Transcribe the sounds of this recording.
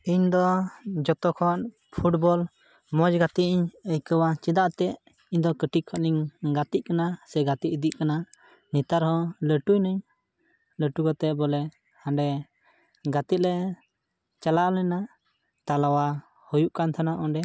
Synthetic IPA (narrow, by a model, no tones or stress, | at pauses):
iɲd̪ɔd͡ʒɔt̪ɔkʰɔn | pʰuʈbɔl | mɔd͡ʒɡat̪iʔiɲəjkəwat͡ʃɛd̪aʔt̪ɛʔ | iɲd̪ɔkəʈʰiʔkʰɔʔniŋɡat̪iʔ̚kanasɛɡat̪iʔd̪iʔkana | nit̪aɾɦɔ̃ləʈujnəɲ | ləʈukɔt̪ɛbɔlɛ | hãɳɖɛ | ɡat̪it̪̚lɛ | t͡ʃalaʔlɛna | t̪alawa | hɔjuʔkant̪ʰanaʔɔɖɛ